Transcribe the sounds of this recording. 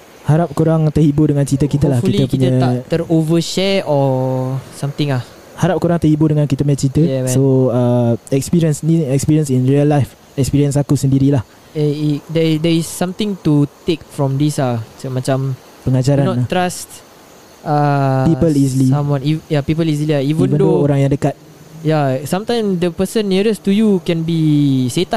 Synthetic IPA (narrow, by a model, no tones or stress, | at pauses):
haɾap̚kuɾaŋt̪əhibudəŋãnt͡ʃit̪əkit̪əlahkkiəkpuiɲat̪əɾovəʃɛɔ | sãmt̪ɪ̃ŋah | haɾap̚kuɾaŋt̪əhibudəŋãnkit̪əmat͡ʃit̪əjɛssoəɛk̚spiɾiənsniɛkspiɾiənsinɾiəlːajf | ɛk̚spiɾiəns̬akusəndiɾilah | eidɛdɛɹisːãmt̪ɪ̃ŋt̪ut̪ek̚fɹɔ̃mdisat͡ʃəmat͡ʃam | pəŋad͡ʒaɾanɔnat̪ːɾast̪ | apipəlisliamwɔnijapip̬əlizliaivə̃nvənddoːɾaŋjaŋdəkat̪̚ | jasãmt̪ãjmsd̪əpəsə̃nːiɾəstujukɛ̃nbiset̪a